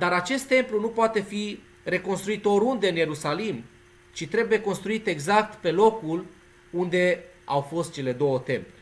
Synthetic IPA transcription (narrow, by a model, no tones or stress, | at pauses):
d̪aɾat͡ʃe̞st̪ːe̞mplunupoat̪e̞fi | ɾe̞ko̞nst̪ɾuit̪oɾund̪e̞ɨnje̞ɾusalim | t͡ʃit̪ɾe̞buje̞ko̞nst̪ɾuit̪e̞ɡzak̚t̪pe̞lo̞kul | und̪e̞ | awfo̞st̪̚t͡ʃe̞le̞d̪o̞wət̪e̞mple̥